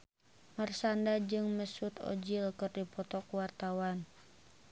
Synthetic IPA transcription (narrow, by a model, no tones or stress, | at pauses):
mərsandad͡ʒɨŋməsut̪ɔ̰d͡ʒilkɨrdipɔt̪ɔkuwart̪awan